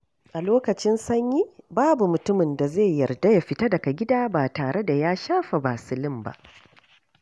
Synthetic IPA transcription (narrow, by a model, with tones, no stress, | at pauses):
ʔa˨loː˦kɐ˨t͡ʃɪ˦nsɐ˦ɲjiː˦baː˦bu˨mʊ˨tʊ˦mɪ˨nda˨zeː˦˨jɐ˨rda˦ja˨ɸɪ˦ta˦dɐ˨ka˨ɡʲɪ˦daː˦baː˨taː˨ɽe˦da˨jaː˦ʃaː˦ɸa˨baː˨sɪ˨lɪ˦mba̰˦ʔ